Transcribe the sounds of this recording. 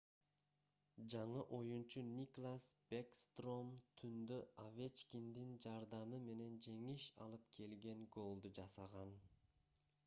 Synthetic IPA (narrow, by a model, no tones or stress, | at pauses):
d͡ʒɑɴɯʔo̞junt͡ʃunʲiklˠasbekst̪ro̞mt̪ʰynd̪øavʲet͡ʃkʲind̪ind͡ʒɑɾd̪ɑmɯme̞ne̞nd͡ʒe̞ŋiʃɑ̰lˠɯpkʰe̞lɡe̞ŋɡo̞lˠd̪ud͡ʒɑsɑʁɑn